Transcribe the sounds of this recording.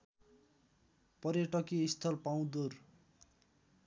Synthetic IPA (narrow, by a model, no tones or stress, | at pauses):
pʌɾjeʈʌkiist̪ʰʌlpaw̃d̪ur